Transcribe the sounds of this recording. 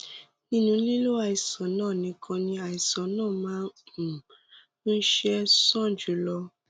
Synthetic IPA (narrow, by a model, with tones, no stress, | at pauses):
nĩ˧˦nũ˧˦li˦lo˦a˧˨i˨sã˨˦nãː˦˨nĩ˨˦kʰɔ̃˧nĩ˧a˨i˨sã˨nãː˦˨mãː˨˦ũ˨ | nũ˦ʃɛ˦sɔ̃˦˨d͡ʒu˨˦lɔ˧